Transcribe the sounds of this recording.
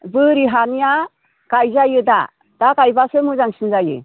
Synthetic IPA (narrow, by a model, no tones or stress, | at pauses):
bɯɾiɦanija | ɡ̥ajzajɯda̰ | d̥aɡajbasɯmɯzaŋsinzajɯ̰